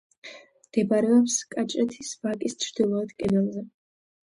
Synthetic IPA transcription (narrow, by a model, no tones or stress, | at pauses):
md̪̥ɛbaɾɛɔpskʼat͡ʃʼɾɛt̪ʰisvakʼist͡ʃʰɾd̪ilˠɔad̪kʼɛd̪ɛlˠzɛ